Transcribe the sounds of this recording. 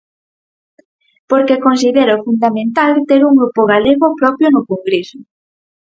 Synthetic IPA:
poɾkekons̬iðeɾofund̪amẽnt̪alt̪eɾuŋɡɾupoɣ̞aleɣopɾɔpjonʊkoŋɡɾesʊ

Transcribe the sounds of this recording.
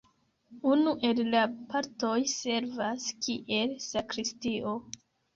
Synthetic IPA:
unuʔe̞llapʰaɾto̞jse̞ɾvaskiʔe̞lsakɾistio̞

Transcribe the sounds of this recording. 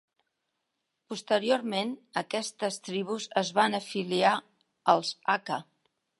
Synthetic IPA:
pust̪əɾioɾmenəkɛst̪əst̪ɾiβ̞uzəzβanəfilia | əlˠzakə

